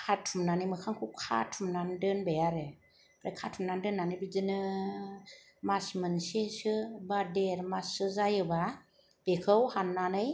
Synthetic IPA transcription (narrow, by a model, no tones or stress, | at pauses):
kʰatʰumnanɯjmɯkʰaŋkʰukʰa̰tʰumnandɯnbejaɾɯ | bɾakʰatʰumnandɯnːanɯjbid͡ʒɯnɯ | masmɯnsesɯbadeɾmasɯzajɯba | b̥ekʰɯwhanːanɯj